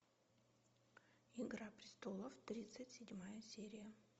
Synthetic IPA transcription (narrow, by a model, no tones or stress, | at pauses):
ɪɡɾapɾʲɪst̪olˠəft̪ɾʲit̪sɨtʲsʲɪdʲmajəsʲeɾʲɪjə